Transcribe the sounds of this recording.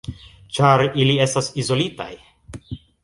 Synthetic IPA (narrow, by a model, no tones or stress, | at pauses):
t͡ʃaɾilie̞stasizo̞lita̰j